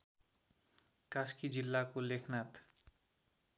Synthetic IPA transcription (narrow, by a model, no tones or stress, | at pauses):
kaskid͡zilːakolekʰnat̪